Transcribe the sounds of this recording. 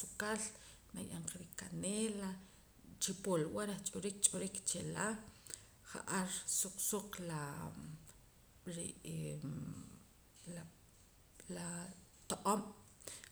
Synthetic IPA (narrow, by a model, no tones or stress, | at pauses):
sukal | na̰jʔaɴqaɾikaneːla | t͡ʃipolwaɾaχt͡ʃʼoɾik̚t͡ʃʼoɾikt͡ʃela | χa̰ʔaɾsuq͡χsuqla | ɾi | la | la | t̪oʔʼom